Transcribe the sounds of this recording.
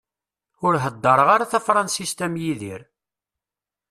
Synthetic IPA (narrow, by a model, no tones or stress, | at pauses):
ʊɾɦəd̪ːəɾˤəʁaɾaθæfɾˤɑnsist̪æmjiðḭɾ